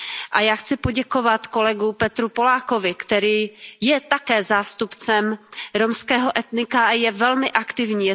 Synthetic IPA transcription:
ʔajaːxt͡sɪpoɟɛko̞vat̪ko̞lɛɡupɛt̪ɾupo̞laːko̞vɪkt̪ɛɾiːjɛt̪akɛːzaːst̪upt͡sɛmɾomskɛːɦoʔɛt̪nɪkajɛvɛlmɪʔakt̪ɪvɲiː

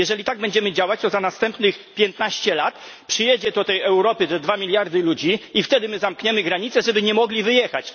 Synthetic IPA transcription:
jɛʐɛlʲit̪aɡ̚bɛɲd͡ʑɛmɘd͡ʑawat͡ɕt̪ɔzanast̪ɛmpnɘxpʲjɛnt̪naɕt͡ɕɛlat̪pʂɘjɛd͡ʑɛt̪ut̪ɛjɛwɾɔpɘt̪ɛd̪vamʲilʲjaɾd̪ɘlud͡ʑiift̪ɛd̪ɘmɘzamkɲɛmɘɡɾaɲit̪sɛʐɛbɘɲɛmɔɡlʲivɘjɛxa̰t͡ɕ

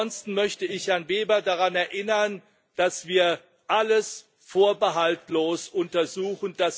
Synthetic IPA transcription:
ɔnstn̩mœçtəɪçjanveːbɐdaʁanɛɐʔɪnɐn | d̥asv̥iːɐ | ʔaləs | foːɐbəɦaltloːsʔʊntɐzuːxən̩d̥as

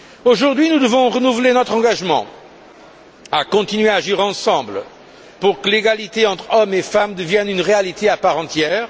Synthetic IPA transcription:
oʒuʁd̪ɥinud̪əvɔ̃ʁənuvlenɔt̪χɑ̃ɡaʒmɑ̰̃ | akɔ̃t̪inɥeaʒiʁɑ̃sɑ̃blə | puʁkəleɡalit̪eɑ̃t̪χɔmefamd̪əvjɛnynʁealit̪eapaʁɑ̃t̪jɛːʁ

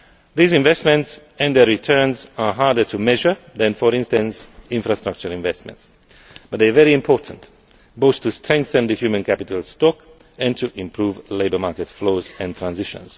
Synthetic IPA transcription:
ðizɪ̃ɱvɛstmɛ̃nts | ɛ̃nðɛɹitʰɜ˞nzaɦaɹdə˞tʰumɛʒə˞ðæ̃nfɔɹɪ̃nstə̃nsɪ̃ɱfɹastɹak̚t͡ʃəɹɪ̃ɱvɛstmɛ̰̃nts | b̥ʌt̚ðevɛɹiɪ̃mpʰɔɹtʰə̃n̩t | boʊθtʰːustʰɹ̥ɛ̃ŋk̚θə̃nd̪əhjʉmə̃nkʰæpɪtʰəlˠstɔk | ɛ̃ntʰuʔɪ̃mpʰɹuːvleɪbə˞maɹkɛtfloʊzɛ̃nt̪ʰɹãnzɪʃə̰̃nz̥

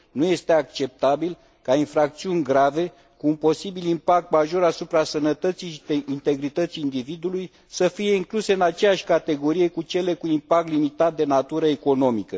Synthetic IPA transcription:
nuje̞st̪e̞akt͡ʃe̞p̚t̪abil | kainfɾak̚t̪siunʲɡɾave̞ | kuːnpo̞sibilimpak̚t̪maʒo̞ɾasupɾasənət̪ət̪siʃeint̪e̞ɡɾit̪ət̪sijːnd̪ivid̪uluj | səfije̞iŋkluse̞ɨnat͡ʃe̞jaʃʲkat̪e̞ɡo̞ɾije̞kut͡ʃe̞le̞kuimpak̚t̪limit̪at̪̚d̪e̞nat̪uɾəe̞ko̞no̞mikə

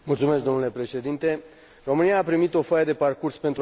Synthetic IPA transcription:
mult̪sume̞skd̪o̞mnule̞pɾe̞ʃe̞d̪int̪e̞ | ro̞mɨnijaːpɾimit̪o̞fajəd̪e̞parkurspe̞nt̪ɾ

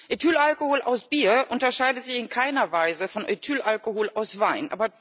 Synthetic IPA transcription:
ʔetʰyːlʔalkohoːlʔa̰ʊsb̥iːɐʔʊntɐʃaɪdətz̥ɪçɪnkʰaɪnɐvaɪzəfɔnʔetʰyːlʔalkohoːlʔaʊsv̥aɪnʔa̰ːbɐ

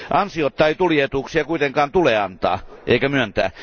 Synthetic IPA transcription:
ʔɑnsiot̪ːɑit̪uljet̪uːˑksiɑkuit̪eŋkɑːnt̪uleɑnt̪ɑ̰ːʔḛikæmyønt̪æ̰ː

